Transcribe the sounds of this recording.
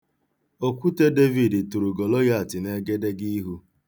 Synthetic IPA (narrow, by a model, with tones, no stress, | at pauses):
o˦kʷu˦te˦de˦vi˨dɪ˨tu˨ɾu˨ɡo˨lo˦ɣa˦a˨tɪ˨ne˦ɡe˦de˦ɡi˦ɦu˦